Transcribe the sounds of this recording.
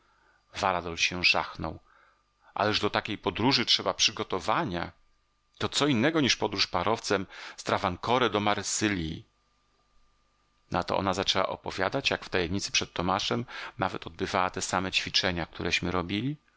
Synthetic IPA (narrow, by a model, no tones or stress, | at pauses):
vaɾad̪ɔlɕɛʐa̰xnɔw | ʔa̰lɛʐd̪ɔt̪akʲejpɔd̪ɾuʐɘtʂɛbapʂɘɡɔt̪ɔvaɲa̰ | t̪ɔt̪sɔinːɛɡɔɲiʂpɔd̪ɾuʂpaɾɔft̪sɛmst̪ɾavaŋkɔɾɛd̪ɔmaɾsɘlʲi | nat̪ɔ̰ʔɔ̰nazat͡ʂɛwa̰ʔɔ̰pɔvʲja̰d̪at͡ɕjakft̪ajɛmɲit̪sɘ̥pʂɛt̪tːɔmaʂɛmnavɛt̪ɔd̪̚bɘvawat̪ɛsamɛt͡ɕfʲit͡ʂɛɲak̚t̪uɾɛɕmɘɾɔbʲilʲi